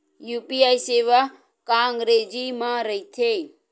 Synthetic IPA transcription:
jupiaːjseːʋa | kãːŋɡɾeːd͡ʒimãɾəit̪ʰe

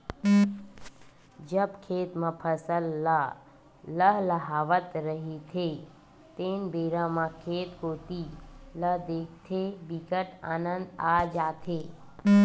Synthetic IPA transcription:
d͡ʒəbkʰeːt̪mãːpʰəsəlːaː | ləɦləɦaːʋət̪ɾəɦit̪ʰe | t̪eːnbeːɾãmãkʰeːt̪koːt̪iləd̪eːk̚ʰt̪ʰebikəʈaːnə̃nd̪aːd͡ʒaːt̪ʰeː

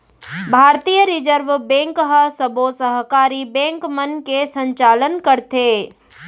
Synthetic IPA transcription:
bʱaːɾt̪ijəɾɪd͡ʒəɾʋbɛ̃ːŋkɦəsəbosəɦkaːɾibɛ̃ːŋkmənkesə̃ɲt͡ʃaːlənkəɾt̪eː

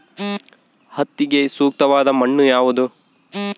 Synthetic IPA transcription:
hɐt̪ːiɡe̞suːk̚t̪ɐʋaːd̪ɐmɐɳːujaːʋud̪u

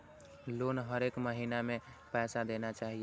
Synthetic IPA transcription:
loːnɦəɾekməɦinamẽ | pɛːsad̪enat͡ʃaːɦie

